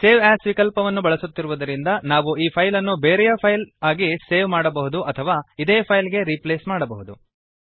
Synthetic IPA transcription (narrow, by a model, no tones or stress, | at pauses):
se̞ːʋaːsʋikɐlpɐʋɐnːubɐɭɐsut̪ːiɾuʋud̪ɐɾind̪ɐnaːʋuiːpʰɐjlɐnːubeːɾɛjɐpʰɐjlaːɡiseːʋmaːɽɐbɐɦud̪uʔɐt̪ʰɐʋaːid̪eːɐpʰɐjlɡe̞ɾipleːsmaːɽɐbɐɦud̪u